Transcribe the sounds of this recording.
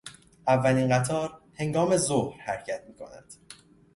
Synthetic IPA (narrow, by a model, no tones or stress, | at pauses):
ʔævːæliːnɢæt̪ʰɒːɾhe̞ŋɡɒːme̞zohɾhæɾcʰæt̪̚miːkʰo̞̰næ̰nd̪̥